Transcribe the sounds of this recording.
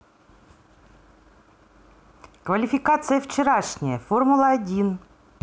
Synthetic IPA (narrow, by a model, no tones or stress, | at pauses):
kvəlʲɪfʲɪkat̪sɨjəft͡ɕɪɾaʂnʲɪjəformʊlˠəɐdʲin